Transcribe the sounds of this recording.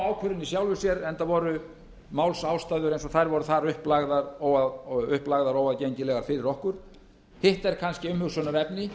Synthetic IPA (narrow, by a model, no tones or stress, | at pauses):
aːwkʰvʏɾɪnːɪsjawlvʏsjɛɾɛnt̪avɔɾʏ | maːwlsawst̪ajðʏɾejns̬ɔθajɾvɔɾʏθaɾʏhplaɣðaɾɔwaðʏhplaɣðaɾɔwaðcejɲcɪlɛɣaɾfɪɾɪɾɔhkʏɾ̥ | hɪht̪ɛɾkʰanscɪʏmhʏɣsvœnaɾɛpnɪ